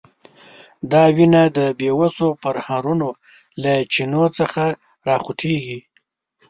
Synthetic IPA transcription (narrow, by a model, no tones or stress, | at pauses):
d̪ɑwinad̪əbewasopəɾhaɾuno | lat͡ʃinot͡səxa | ɾɑxuʈʰeɡi